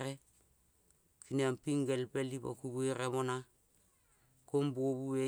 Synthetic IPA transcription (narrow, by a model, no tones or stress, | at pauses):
ɾe | kiniampiŋɡelpelipa̰kubueɾemona | kombuoβue